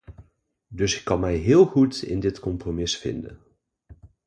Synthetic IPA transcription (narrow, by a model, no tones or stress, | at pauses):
dɵsɪkːɑnmɛjɦɪːlˠχutɪ̰ndɪtkɔmpromɪsfɪ̰ndə̰n